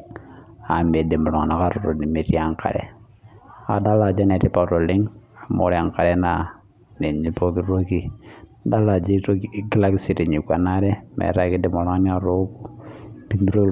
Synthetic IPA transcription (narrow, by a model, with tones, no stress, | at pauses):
a˨me˨de˨mu˨lɔ˨ŋa˨na˦ka˦ɾɔ˨ɾo˨ni˨me˨ti˦a˨˦˨ŋka̰˨ɾɛ̰˨ | a̰˨da˦la˨d͡ʒa˦ne˨ti˦pa˨ɾo˨li˦ŋa˨mo˦ɾɛ˦a˨ŋka˨ɾɛ˦na˦ | ne˨ɲi˦po˦ki˦ɾo˦ki˦da˦la˨d͡ʒi˦tki˦la˦ki˦si˨ti˨ɲi˨kwa˨na˦ɾɛ˦mḛ˨ɾa˦ki˦de˨mɔ˨la˦ŋ˦ɲ˦a˦ɾo˦bu˦bi˦mbi˦ɾo˦